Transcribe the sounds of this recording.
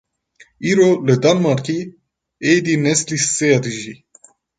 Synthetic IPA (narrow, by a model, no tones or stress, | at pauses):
iːɾoːlɨd̪ɑnmɑɾki | eːd̪inɛslisːejɑd̪ɨʒi